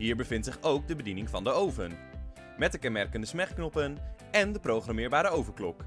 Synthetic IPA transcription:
ɦiːɹbəvɪntsɪχowk̚dəbədinɪŋvɑndəowvən | mɛt̚dəkɛnmɛɹkəndəsmɛχknɔpən | ɛndəprowχrɑmɪːɹbaːɾəowvəɹklɔk

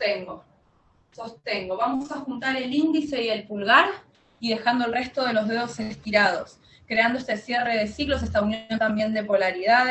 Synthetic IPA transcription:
t̪eŋɡo | so̞st̪eŋɡo̞βamosaxunt̪aɾe̞lind̪ise̞ie̞lpulɣaɾ | iðe̞xand̪oe̞lre̞st̪o̞ð̞e̞lo̞zðe̞ð̞o̞sest̪iɾað̞os | kɾe̞and̪oe̞st̪e̞sje̞re̞ð̞e̞siɣlo̞s̬est̪aunjont̪ambje̞nd̪e̞po̞laɾiðaðe

